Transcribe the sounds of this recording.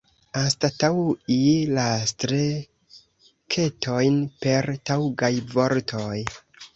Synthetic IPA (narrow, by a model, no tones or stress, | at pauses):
astatawilastɾe | kʰe̞tʰo̞jnpe̞ɾtawɡajvo̞ɾtʰoj